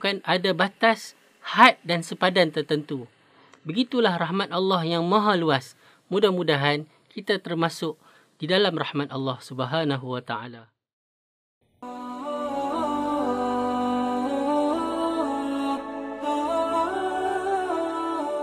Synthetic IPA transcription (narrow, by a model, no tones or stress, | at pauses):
kanʔadabat̪as | hat̪̚dansəpadant̪ərt̪ənt̪u | bəɡit̪ulahrahmat̪̚ɑlːɑhjaŋmãɦaluas | mũdahmũdaɦan | kit̪at̪ərmasʊk̚ | d̥idalamrahmat̪̚ɑlːɑhsubəɦanaɦuwat̪aʕa̰la